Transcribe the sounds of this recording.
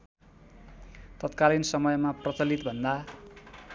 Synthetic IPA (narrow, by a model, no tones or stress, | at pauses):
t̪ʌt̪kalinsʌmʌjmaprʌt͡sʌlit̪̚bʱʌnd̪a